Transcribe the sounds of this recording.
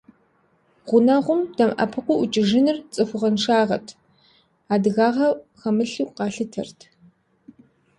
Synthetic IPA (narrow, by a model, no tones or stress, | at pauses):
ʁʷʊnɐʁʷʊmdɐmʔɐ̰pʰɨqʷʊʔʊt͡ʃʼɪʒɪnɨrt͡sʼɨxʷʊʁɐnʂaːʁɐtʰ | aːdɨɣaːʁɐχɐmɨɬuwqɑːɬɨtʰɐ̰rtʰ